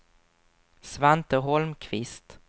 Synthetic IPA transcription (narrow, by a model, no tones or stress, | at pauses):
svant̪əɦɔlmkʰvɪst̪